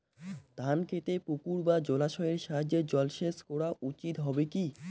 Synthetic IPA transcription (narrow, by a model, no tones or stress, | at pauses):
d̪̥ʱankʰet̪epukuɾbad͡ʑolaʃɔeɾʃaɦad͡ʑːed͡ʑɔlʃeskɔɽaʔut͡ɕit̪ɦɔbeki